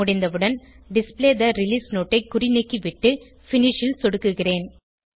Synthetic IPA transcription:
ʊɽɪnd̪ɐʋɯɽɐn | ɖɪspleːd̪ɐɾɪliːsnoːʈːɐɪkːʊrɪnɪkːiʋɪʈːɯ | fɪnɪʂɪlsɔɽɯkːɯɣɪreːn

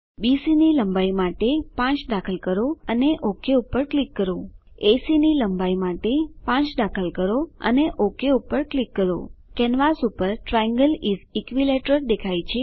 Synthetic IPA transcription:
bisiniləmbaimaʈepãt͡ʃd̪akʰəlkəɾoə̰neʔokʰeupəɾklikːəɾo | esiniləmbaimaʈepãt͡ʃd̪akʰəlkəɾoə̰neʔokeupəɾklikːəɾo̰kɛnʋasupəɾʈɾajə̃ŋɡəlizikʋileʈəɾd̪ekʰajt͡ʃʰe

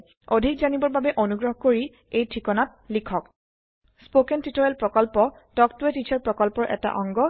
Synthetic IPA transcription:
odʱikzanibɔɹbabɛʔonuɡɹɔɦkoɹi | ejtʰɹikɔnat̚likʰɔk | spokɛntitɔɹɛlpɹɔkɔlpɔ | tɔktuɛtit͡ʃʰaɹpɹɔkɔlpɔɹʔɛ̰ta̰ʔɔŋɡɔ

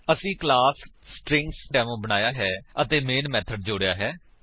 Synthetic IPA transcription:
əsĩːklaːsːʈɾɪ̃ŋksʈɛːmõːbəñaːjaːɦɛːət̪eːmeːnmɛːt̪ʰəɖ̚d͡ʒoːɽjaːɦɛː

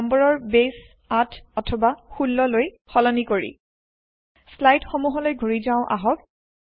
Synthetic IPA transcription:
mbɔɹɔɹbes | atʰɔtʰɔbaxulːɔloj | xɔlɔnikoɹḭ | slajdxomuɦɔlojɡʱuɹizaʊ̃ʔa̰ɦɔk̚

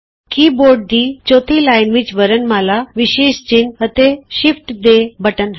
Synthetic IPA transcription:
kiboɾɖ̚d̪iːt͡ɕot̪ʰilajnʋit͡ɕʋəɾənməlaʋiɕeɕd͡ʑinət̪eɕifʈd̪ebəʈən

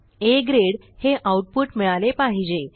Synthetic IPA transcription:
eɡɾeɽ | heʔauʈ̚puʈmiɭalepaɦid͡ʑe

